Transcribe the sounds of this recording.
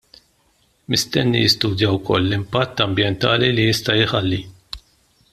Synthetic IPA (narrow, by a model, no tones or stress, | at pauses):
mɪst̪ɛnːḭjɪst̪uːd̪jɐwkɔlːɪmpɐt̪ːɐmbjɛnt̪ɐːlilijɪst̪ɐjɪħɐlːi